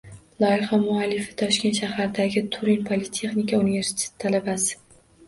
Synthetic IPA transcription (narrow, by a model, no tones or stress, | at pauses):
lˠɒɪχamʊalːɪfɪ̥t̪ʰɒʃkʲenʃahaɾd̪aɡʲɪt̪ʰʊɾinpʰolɪt̪ʰe̞χnɪkaunive̞ɾsi̥t̪ʰe̞̥t̪ːʰalabasɪ̥